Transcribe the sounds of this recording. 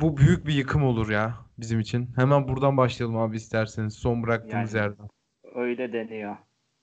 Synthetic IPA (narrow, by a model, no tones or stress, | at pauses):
bubyjyc̚bijɯkʰɯmo̞lˠuɾjaːbizimit͡ʃʰinhemænbuɾd̪anbaʃlˠajlˠɯmaːbiist̪ʰæɾsiniz̥so̞nbɯɾak̚t̪ʰɯːnɯzjæɾlæ | øjlʲɛd̪enijo